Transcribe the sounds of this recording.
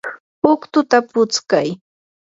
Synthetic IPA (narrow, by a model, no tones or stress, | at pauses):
ʊkt̪ʊt̪apʊt͡skaj